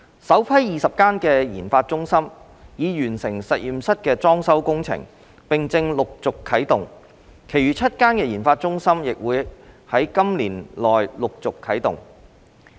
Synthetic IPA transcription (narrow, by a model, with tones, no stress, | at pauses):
sɐ˨˥wpʰɐ˥jjiː˨sɐ˨p̚kaː˥nkɛː˧jiː˨˩nfaː˧t̚t͡sʊ˥ŋsɐ˥m | jiː˨˧jyː˨˩nsɪ˨˩ŋsɐ˨t̚jiː˨msɐ˥t̚kɛː˧t͡sɔː˥ŋsɐ˨˥wkʊ˥ŋt͡sʰɪ̰˨˩ŋ | pɪ˨ŋt͡sɪ˧ŋlʊ˨k̚t͡sʊ˨kʰːɐ˨˥jt̪ʊ˨ŋ | kʰe˨˩jɥyː˨t͡sʰɐ˥t̚kaː˥nkɛː˧jiː˨˩nfaː˧t̚t͡ʃʊ˥ŋsɐ˥mjɪ˨k̚wuː˨˧jhɐ˨˥jkɐ˥mliː˨˩nlɔː˨jlʊ˨k̚t͡sʊ˨kʰːɐ˨˥jt̪ʊ˨ŋ